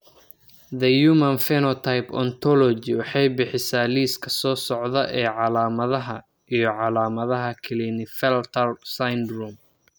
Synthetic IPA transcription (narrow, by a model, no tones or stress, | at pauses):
ðɐjuːmɐnfɛnɔt̪ʰajpɔ̰nt̪ʰɔlɔd͡ʒɪwɑħɑjbɪħɪsaːliːskʰɐ̥sɔːsɔʕðɐʔɛːʕɑlaːmɐðɐɦɐ | ijɞʕɑlaːmɐðɐɦɐkʰɪlinɪfɛlt̪ʰɐrsajnd̪rum